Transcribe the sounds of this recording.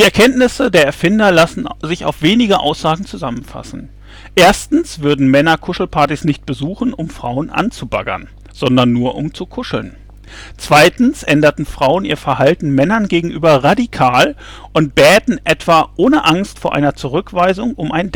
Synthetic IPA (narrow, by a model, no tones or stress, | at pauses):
d̥iːɛɐkʰɛntnɪsədeːɐɛɐfɪndɐlasn̩zɪça̰ʊfv̥eːnɪɡəʔa̰ʊsz̥aːɡŋ̩t͡suzamənfa̰sn̩ | ʔeːɐstn̩sv̥ʏɐdn̩mɛnɐkʰʊʃl̩pʰaɐtisnɪçt̚b̥əzuːχn̩ʔʊmfʁ̥a̰ʊənʔa̰nt͡suba̰ɡɐ̰n | z̥ɔndɐnːuːɐʔʊmt͡sukʰʊʃl̩n | t͡sv̥aɪtn̩sʔɛndɐtn̩fʁ̥aʊəniːɐfɛɐhaltn̩mɛnɐnɡeːɡŋ̩ʔyːbɐʁadikʰaːl | ʔʊnt̚b̥ɛːtn̩ʔɛtv̥aːʔoːnəʔaŋstfoːɐʔa̰ɪnɐt͡suʁ̞ʏkv̥aɪzʊŋʊmʔaɪnd